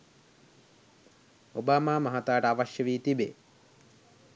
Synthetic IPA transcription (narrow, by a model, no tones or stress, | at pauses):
obaːmaːmɐɦat̪aːʈəaʋaʃjəʋiːt̪ibḛ